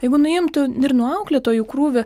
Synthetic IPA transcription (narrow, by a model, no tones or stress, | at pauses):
jɛɪɡʊnʊɪmt̪ʊɪrnʊɑʊklʲet̪oːjʊkɾuːʋʲʊ